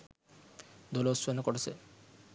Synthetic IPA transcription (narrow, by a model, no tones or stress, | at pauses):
d̪olosonokoʈet͡ɕʰe